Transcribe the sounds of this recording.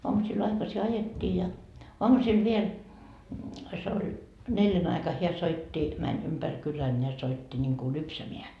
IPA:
oɑmusil ɑikɑsi ɑjetːiː jɑ oɑmusil ʋiel se olʲ neljæn ɑikɑ heæ soitːi mænʲ ympær kylæn jɑ soitːi nʲiŋku lypsæmeæ

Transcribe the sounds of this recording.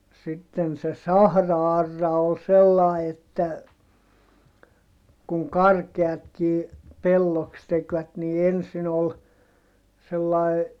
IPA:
jɑ sitːen se sɑhrɑɑrːɑ ol selːɑˑi etːæ kuŋ kɑrkeɑtkiː pelːoks tekʋæt niː ensin ol selːɑˑi̯

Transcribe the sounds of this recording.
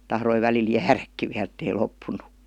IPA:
tɑhroi ʋælil jæːrækːi ʋiæl̆ etːei lopːunːukːɑ̥

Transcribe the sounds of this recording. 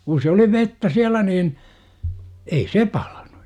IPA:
kun̞ se oli ʋetːæ siælæ niːn ei se pɑl̥ɑ̥n̥u̥

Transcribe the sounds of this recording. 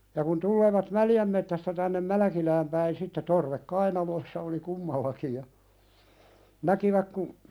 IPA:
jɑ kun tulːeːʋɑt mæljæm metːæstæ tænːem mælæ̆kilæːm pæin sitːe torʋek kɑinɑloĭsːɑ oli kumːɑlːɑki jɑ nækiʋæk ku

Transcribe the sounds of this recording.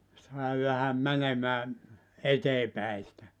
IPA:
sɑˑi ʋæhæm mænemæː eteː pæi sĭtæ

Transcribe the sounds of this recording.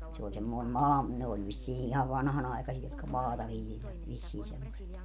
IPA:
se olʲ semːoin mɑː ne olʲ ʋisːiː ihɑʋ ʋɑnhɑnɑikɑsiɑ jotkɑ mɑːtɑ ʋiljelʋæt ʋisːiː semːoset

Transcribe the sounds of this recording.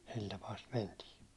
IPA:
sil tɑpɑː sit mentiː

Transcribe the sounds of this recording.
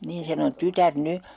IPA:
niːn sen on tytær ny

